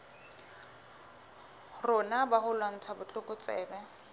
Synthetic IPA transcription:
rʊnabaɦʊlwaŋ̩t͡sʰabʊt͡ɬʼʊkʼʊt͡sʼɛ̰ːbɛ

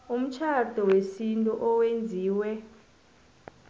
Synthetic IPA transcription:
um̩t͡ʃʰad̥ʱɔwesintʼuʔɔwend͡zʱiːwɛ

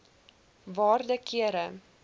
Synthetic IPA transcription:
vɑːrdəkiəɾə

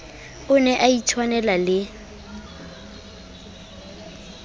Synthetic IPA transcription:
ʊnɛʔaitʰwanɛlalɪ

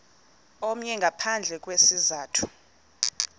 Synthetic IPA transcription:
ɔm̩ɲɛŋɡʱapʰand͡ɮʱɛk̬ʼwesizaːtʰu̥

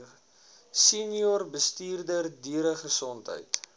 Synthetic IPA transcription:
siniɔrbəstiːrdərdiəɾəχəsɔntɦə̰jt

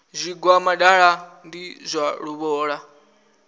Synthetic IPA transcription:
zʷiɡwamaɗaɺandizʷaɺuβɔːɺa

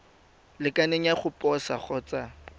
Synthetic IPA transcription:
lɪkʼaneŋ̩jaχʊpʼɔsaχɔt͡sa

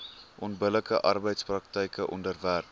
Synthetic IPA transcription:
ʔɔnbələkəʔɐrbəjtsprɐk̚təjkəʔɔndərværp

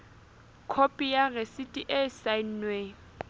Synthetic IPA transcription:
kʰopʼijaresitʼiʔɛsain̩nwe

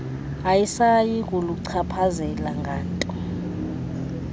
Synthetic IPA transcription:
ajisajik̬ʼuluǀʰapʰazɛlaŋɡʱaːntʼɔ

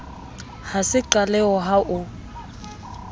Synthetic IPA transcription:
hasɪǃalɛɔɦaʔʊ

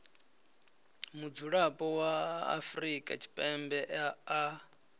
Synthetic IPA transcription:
mud͡zuɺapʼɔwaa̰fɾikʼa̰t͡ʃʰi̥pʼɛmbɛʔaa

